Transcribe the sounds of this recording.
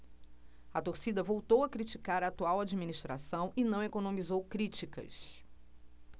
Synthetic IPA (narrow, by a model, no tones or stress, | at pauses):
ɐt̪oɾsid̪ɐvowt̪owɐkɾit͡ʃikaɾɐːt̪uawad͡ʒiminist̪ɾa̰sɐ̃w̃inɐ̃w̃ekonõmizowkɾit͡ʃikɐ̰s